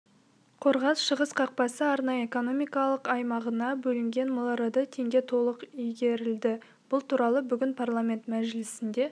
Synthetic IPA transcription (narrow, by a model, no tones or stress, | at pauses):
qʰo̞ɾʁɑsʃəʁəsqʰɑq̚pɑsəɑɾnɑjəeko̞no̞mijkɑlˠəqɑjmɑʁənɑbɵlɪŋɡʲe̞nmolˠɾɑd̪ət̪ʰe̞ŋɡʲe̞t̪ʰo̞lˠəqijɡʲe̞ɾɪld̪ɪ | b̥ʊlˠt̪ʰuɾɑlˠəbʏɡʲɪnpʰarlˠamʲe̞nt̪mæʒlɪsɪnd̪e̞